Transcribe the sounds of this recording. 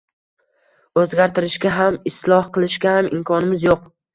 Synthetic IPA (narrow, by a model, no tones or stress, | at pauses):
ɵzɡʲaɾt̪ʰɪɾɪʃɡʲaɦamɪslˠɒhqʰɨlˠɪʃɡʲahamɪmkʰɒnɪmɪzjoq